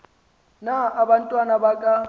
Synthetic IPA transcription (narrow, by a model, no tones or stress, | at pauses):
naʔaban̩tʼwanabakʼa